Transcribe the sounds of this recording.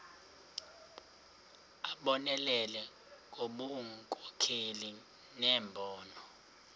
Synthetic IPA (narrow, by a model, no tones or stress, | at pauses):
aɓɔnɛlɛlɛ | k̬oɓuŋkʼɔ̥kʰeli | nɛːmbʱɔːnɔ